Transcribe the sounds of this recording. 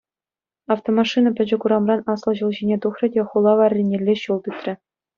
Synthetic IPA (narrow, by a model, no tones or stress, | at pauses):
ɑft̪omɑʂinɑpʲɘ̆d͡ʑɘ̆kuɾɑmrɑnɑslˠɤ̆ʑulˠʑinʲet̪uχrʲɤ̆dʲeχulˠːɑʋɑrʲːenʲːelʲːeɕulˠt̪ɯt̪ʲrʲɘ̆